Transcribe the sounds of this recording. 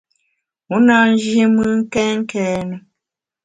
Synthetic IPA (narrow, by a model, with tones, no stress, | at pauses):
u˨˦na˦n̩˦d͡ʒje˦mɨ˦ŋ̩˦kɛ˦ŋ̩˦kɛː˦nə˨